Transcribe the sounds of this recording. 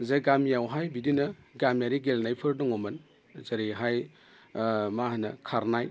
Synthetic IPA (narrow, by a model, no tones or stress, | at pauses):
zaɡamjawɦajbidinɐɡamjaɾiɡelnajpʰɯɾdɔŋɔmɐn | zaɾiɦaj | mahanɐkʰaɾnaj